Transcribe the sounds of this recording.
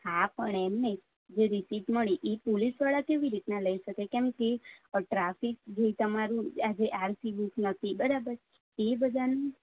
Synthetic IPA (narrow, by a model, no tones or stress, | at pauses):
hapəɳɛmne | d͡ʒeɾisiʈməɭiʔepolisʋaɭakeʋiɾit̪naləiʃəkekɛmkeʈɾafikd͡ʒoit̪əmaɾũad͡ʒeʔaɾsiʋisnət̪ʰibəɾabəɾ | ebəd̪ʱan